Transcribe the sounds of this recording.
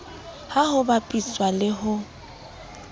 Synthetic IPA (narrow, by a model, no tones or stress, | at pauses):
hahʊbapʼisʼwalɪɦʊ